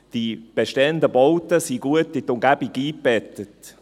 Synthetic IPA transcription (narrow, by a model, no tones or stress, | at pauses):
d̥ib̥eʃteəndəbowtəsiɡuətːɪtʊmɡæbiɡiːb̥ɛtət